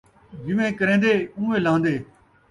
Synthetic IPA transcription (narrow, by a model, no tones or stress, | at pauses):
d͡ʒɪʋẽːkəɾẽːnd̪eːũːʋeːlãːnd̪eː